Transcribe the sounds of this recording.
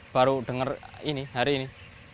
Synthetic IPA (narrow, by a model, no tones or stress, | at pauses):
b̥aɾuɖ̥ə̤ŋəriniɦaɾiːni